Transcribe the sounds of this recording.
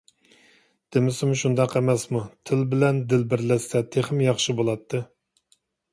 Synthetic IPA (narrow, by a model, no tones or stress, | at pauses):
d̪̥ɪmɪsumʃund̪ɑqemɛsmut̪ʰɪlbɪlɛnd̪ɪlbɪɾlɛsɛt̪ʰeχɪmjɑχʃɨbolˠɑt̪ʰːɨ